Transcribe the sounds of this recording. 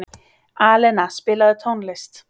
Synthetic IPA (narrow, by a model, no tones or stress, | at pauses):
ʔaːlənaspɪlɐðət̪ʰɔnlɪst̪